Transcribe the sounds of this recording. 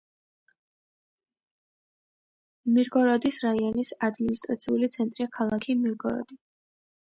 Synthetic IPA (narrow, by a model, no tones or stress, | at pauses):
miɾɡɔɾɔd̪isɾaiɔnisad̪minist̪ʼɾat̪sʰiulit̪sʰɛnt̪ʼɾiakʰalˠakʰimiɾɡɔɾɔ̰d̪̥i